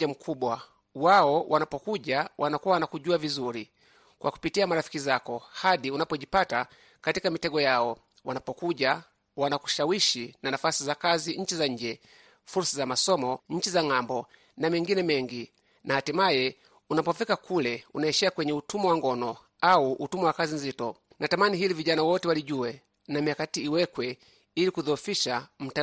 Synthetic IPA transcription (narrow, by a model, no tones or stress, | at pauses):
am̩kʰuɓwa | waɔwanapɔkuʄawanakuwawanakuʄuavizuɾi | kwʔa̰ku̥pitiamaɾafi̥kizakɔhaɗiunapɔʄipata | katikamitɛɡɔjaɔ | wanapɔkuʄa | wanaku̥ʃawiʃinanafasizakaziɲ̩t͡ʃizaɲ̩d͡ʒɛ | fuɾsazamasɔmɔɲ̩t͡ʃizaŋambɔ | namɛŋɡinɛmɛŋɡi | nahatimajɛ | unapɔfikakʰulɛunaɛʃɛakwɛɲɛutumɔwaŋɡɔnɔ | auʔutumɔwakazinzitɔ | natamaniɦiliviʄanawɔtɛwaliɟuɛ | namijakatiːwɛkwɛ | ilikuðɔfiʃam̩ta